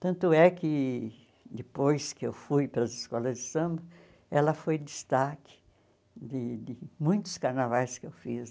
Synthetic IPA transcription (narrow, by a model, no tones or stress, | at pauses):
t̪ɐ̃nt̪ʊɛkɪ | d̪ɪpojskɪewfujpelɐzɪskɔlɐzd͡ʒ̪ɪsɐ̃mbɐ | ɛlɐfojd̪ɪst̪akɪ̥ | d̪ɪd̪ɪmũj̃t̪ʊ̥skaɾnavajskɪewfiz